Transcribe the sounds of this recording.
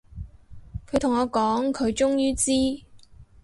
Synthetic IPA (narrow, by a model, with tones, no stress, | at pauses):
kʰɵ˨˧t̪ʰʊ˨˩ŋɔː˨˧kɔː˨˥ŋkʰɵ˨˧ɥt͡ʃʊ˥ŋjyː˥t͡siː˥